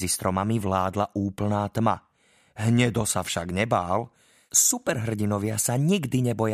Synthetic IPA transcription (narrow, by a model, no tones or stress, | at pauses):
ist̪ɾɔmamiʋlaːd̪laʔuːpl̩naːt̪ma̰ | ɦɲɛd̪ɔsafʃaɡɲɛbaːl | supɛɾɦr̩ɟinɔʋɪasaɲiɡd̪iɲɛbɔja